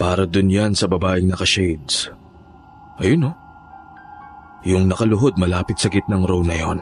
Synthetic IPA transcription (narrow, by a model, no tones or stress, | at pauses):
paːɾɐd̪ʊnjansɐbɐbaːʔɪŋnɐkɐʃejd̪s | ʔɐjono | jʊŋnɐkɐlʊɦo̞d̪̚mɐlaːpɪt̪̚sɐɡɪt̪̚nɐŋɾow̪nɐjo̞̰n